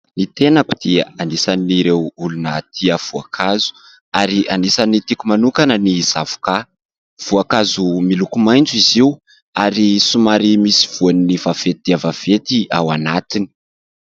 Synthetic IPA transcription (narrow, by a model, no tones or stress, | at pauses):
nit̪enaku̥d̪̥ianisaniiɾewulunət̪ʰiəv̥uakʰazu̥ | aɾiʔanisanit̪ikumanukanəniz̥av̥u̥ka | v̥uakazumilukumajnd͡zuiziw | aɾisumaɾimisi̥v̥uaninivav̥et̪id̪̥iavav̥et̪iawanat̪ini̥